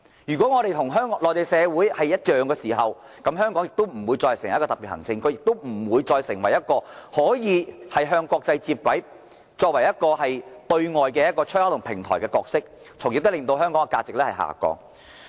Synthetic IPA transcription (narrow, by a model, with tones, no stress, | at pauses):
jyː˨˩kʷɔː˨˥ŋɔː˨˧ɾe˨jt̪ʰʊ˨˩ŋɦœː˥ŋ˧lɔː˨˩jt̪e˨jsɛː˨˧wuː˨˥jhɐ˨jjɐ˥t̚jœː˨ŋkɛː˧siː˨˩ɦɐ˨w | kɐ˨˥mɦœː˥ŋkɔː˨˥ŋjɪ˨k̚t̪o˥wm̩˨˩wu˨˧jt͡sɔː˧hsŋ˨˩jkːɔː˧t̪ɐ˨pi˨˩hɐ˨˩ŋt͡sɪ˧ŋkʰɵ˧jɪ˨k̚t̪o˥wm̩˨˩wuː˨˧jt͡sɔː˧jsɪ˨˩ŋwɐ˨˩jːɐ˥t̚kɔː˧hɔː˨˥jiː˨˧hɐ˨jɦœː˧ŋkʷɔː˧k̚t͡sɐ˧jt͡siː˧p̚kwɐ˨˥j | t͡ʃɔː˧k̚wɐ˨˩jɐ˥t̚kɔː˧hɐ˨jt̪ɵ˧ɥŋɔː˨jkɛː˧jɐ˥kːɔː˧t͡ʃʰːha˥t̪ʰŋpʰɪ˨˩ŋt̪ʰɔː˨˩jkɛː˧kɔː˧k̚sɪ˥k̚ | t͡sʰʊ˨˩ŋji˨˥t̪ʊ˥lɪ˨ŋt̪o˧wɦœː˥ŋkɔː˨˥ŋɛː˧kaː˧t͡sɪ˨k̚lɛː˥hɐ˨jɦa̰ː˨kɔ̰ː˧ŋ